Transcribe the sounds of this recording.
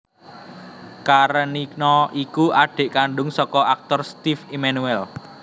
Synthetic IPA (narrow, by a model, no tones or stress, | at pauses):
kaɾəniknɔikuʔaɖ̥e̤ʔkaɳɖʊŋsɔkɔak̚t̪ɔrst̪ifimanuɛl